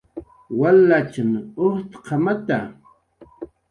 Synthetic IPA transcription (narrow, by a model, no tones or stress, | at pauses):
walːat͡ʃamoht̪qʰɑmat̪a